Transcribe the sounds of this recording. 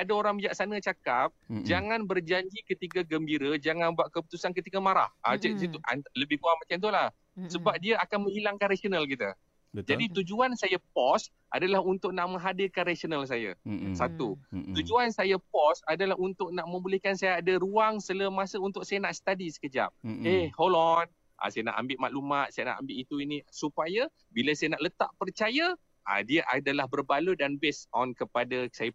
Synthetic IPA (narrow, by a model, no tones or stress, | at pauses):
adaoɾaŋbid͡ʒaʔsanə̃t͡ʃakap̚d͡ʒaŋanbərd͡ʒaɲd͡ʒikət̪iɡaɡəmbiɾəd͡ʒaŋanbaʔkəput̪usankət̪ikamaɾa̰ha̰t͡ʃasit̪uʔa̰nləbɪhkuamat͡ʃant̪̬ulah | səbap̚diaakanmə̃ŋhilaŋkanɾasionalkit̪a̰ | d͡ʒadit̪ud͡ʒuansajapɔs | ʔa̰dalahunt̪ʊʔ̚naʔmə̃ŋɦadikanrasonəls̬aja̰sat̪ut̪ud͡ʒuansajapɔsadalaɦunt̪ʊʔ̚naʔmə̃mbulɪhkansajaːdaruaŋsələmasəunt̪ʊk̚sajanaʔsə̥t̪adisə̥kəd͡ʒa̰p̚ehholɔn | ʔa̰sajana̰ʔa̰mbɪʔmaʔlumat̪̚sajana̰ʔa̰mbɪʔit̪uinisupaja | bilasajanaʔlət̪a̰ʔpərt͡ʃaja | ʔa̰diaʔadalahbərbaludanbesɔnkəpadasaja